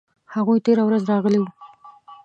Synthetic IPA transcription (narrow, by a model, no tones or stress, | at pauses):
haɣujt̪eɾawɾazɾɑɣəliwu